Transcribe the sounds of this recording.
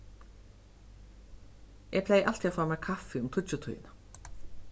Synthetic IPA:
ɛpʰlejʔal̥t̪iafaːmɛkʰafɪʊmt̪ʰʊt͡ʃɪt̪ʰṵjɪ̰na

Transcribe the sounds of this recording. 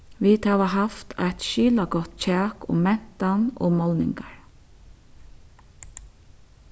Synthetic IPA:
ʋiːt̪hɑːʋaɦɑft̪æɪt̪ʃiːlaɡɔt̪c͡çʰɑːkʊ̰mmɛn̥t̪ɑno̰ːmɔlnɪ̰ŋɡɑɹ

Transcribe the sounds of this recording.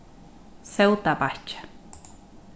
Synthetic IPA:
sewt̪apaht͡ʃḁ

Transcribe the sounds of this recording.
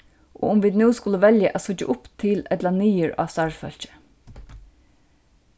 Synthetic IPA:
ʔo̰ːʊmʋiːd̪nʉːskʊləʋɛljəʔæːsʊt͡ʃə̰ʔʊpt̪ʰɪlɛt̪lɑniːəɹɑ̰ːʋst̪ɑɹfœ̰l̥t͡ʃə̥

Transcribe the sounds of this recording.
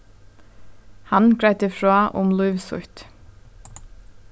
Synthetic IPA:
hɑnɡɾɹaɪt̪əfɹoːʔʊ̰mlʊʏʋsʊ̰t̪

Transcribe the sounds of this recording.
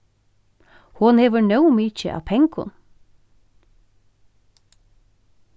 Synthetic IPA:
hʊnheːʋənœʊmiːt͡ʃəʔɑ̰ːpʰɛŋkʊ̰n

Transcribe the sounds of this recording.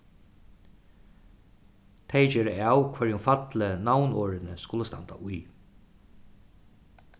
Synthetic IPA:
t̪ʰejd͡ʒɛːɾəawkʰʋɛɾjʊnfat̪lənawnɔːɾɪnəskʊləst̪a̰nt̪a̰ʔuʊj

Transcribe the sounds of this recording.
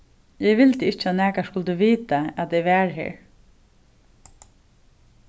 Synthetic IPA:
jɛʋɪlt̪əɪt͡ʃːat̪næːkaskʊlt̪uʋiːt̪aæt̪ɛʋæːɹɦḛːɹ

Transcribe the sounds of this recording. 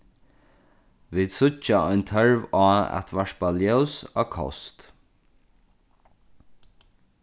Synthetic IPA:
ʋiːd̪sʊt͡ʃaɔjnt̪ʰœɹvaːɛ̰t̪ʰʋaʂt̪̚baljœwsɔːkʰɔ̰st̪

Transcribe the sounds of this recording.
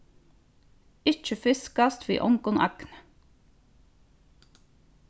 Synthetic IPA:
ɪt͡ʃəfɪskɑst̪ʋḭːʔɔŋɡɔnʔɑ̰knə

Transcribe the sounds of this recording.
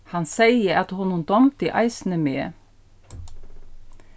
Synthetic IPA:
hɑnsæɪəɑt̪hʊnuːnd̪ɔmt̪iʔɑ̰ɪsn̩əmeː

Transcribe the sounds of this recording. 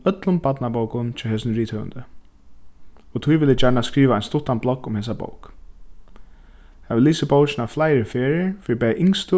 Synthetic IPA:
œt̪lʊmpat̪nabowkʊnt͡ʃʰɔɦɛːsɪnɾiːt̪hœːʋə̰nd̪ə | ɔt̪ʰʊjʋɪlːɪd͡ʒaɳaskɹiːʋaa̰jnst̪ʊt̪ːanblɔkʊmheːs̬abo̰ʊwk | haʋɪlːiːsɪboʊt͡ʃɪnaflajɾɪfeːɾɪfiːɾɪbɛːʔɪŋst̪ʊ

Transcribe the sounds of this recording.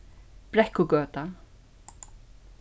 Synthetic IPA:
pɾɛhkʊkœːt̪a

